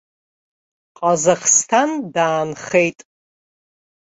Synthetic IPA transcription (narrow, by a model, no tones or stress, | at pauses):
qʼazaχstʰandaːnχejtʼ